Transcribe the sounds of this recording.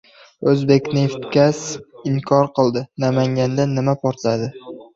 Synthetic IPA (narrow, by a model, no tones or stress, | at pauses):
ɵzbe̞kʲneft̪kʲasɪŋkʰɒɾqʰɨlˠd̪ɪnamaŋɡʲand̪aːɪmapʰɒɾt̪lad̪ɪ